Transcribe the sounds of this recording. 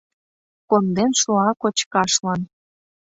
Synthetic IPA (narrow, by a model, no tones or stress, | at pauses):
kond̪enʃuɑkot͡ɕkɑʃlɑn